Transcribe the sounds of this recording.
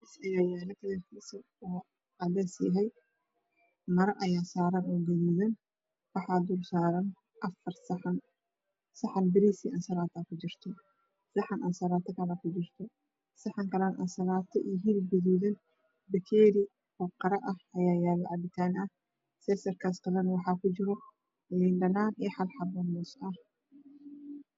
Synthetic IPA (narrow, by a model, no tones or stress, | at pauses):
isɐjaːjaːlɐt̪ʰɐðɐrkʰiːsɐ | ɔː | ɑd̪ɛsɐɦɛj | mɐɾɐʔɐjaːsaːɾɐnɔːɡɐðiːðɐn | wɑħɑːd̪ulsaːɾɐn | ʔɐfɐrsn | sɐħɑnbɪɾisiʔɐnsɐlaːt̪ʰɐkʰʊd͡ʒɪr̥t̪ʰɔ | sɐħɑnʔɐːnsɐlaːt̪ʰɐkʰɐlɐkʰʊd͡ʒɪrt̪ʰɔ | sɐħaŋkɐlɐnʔɐ̰nsɐlaːt̪ʰːɐʔiɦilɡɛðiːðɐn | bɐkʰeːɾi | fɐqːɐɾɐʔɐhɐjaːjaːlɐʕabɪt̪ʰaːnɐ | sɛsɐɾkaːskɐlɐnwɑħaːkʊd͡ʒɪɾɔ | lɪnd̪ɐnaːnɛħalħabɐnːɔsʔɐ